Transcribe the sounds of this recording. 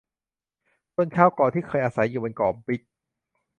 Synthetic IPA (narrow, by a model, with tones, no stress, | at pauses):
t̪o˥˩ənkʰaː˥˩wkɔː˨˩t̪ʰiː˥˩kʰɤː˧jʔaː˧sa˩˦jːuː˨˩ba˧nkɔː˨˩mpi˦˥k̚